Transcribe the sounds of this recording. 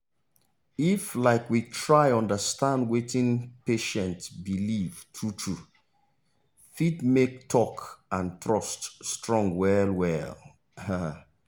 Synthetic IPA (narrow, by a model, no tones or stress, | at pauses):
iflaɪkwitʰɹaɪɔ̃ndəstãndwetɪ̃npeʃɛ̃ntsbilivtʰɹutʰɹu | fitmek̚tʰɔkãntɹɔststɹɔ̃ŋwɛlwɛl | h